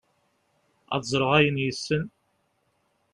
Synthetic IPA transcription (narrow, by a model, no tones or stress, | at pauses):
æ̰ðzˤɾˤəʁæjənjəsːən